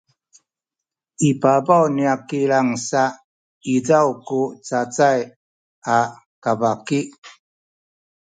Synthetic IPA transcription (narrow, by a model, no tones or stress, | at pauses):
ipabawniakiɾaŋsaʔ | id͡zawkut͡sat͡saj | a | kabaki